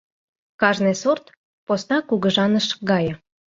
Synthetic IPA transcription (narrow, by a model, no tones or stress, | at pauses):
kɑʒnesort̪ | posnɑkuɣə̆ʒɑnəʃɡɑjə̆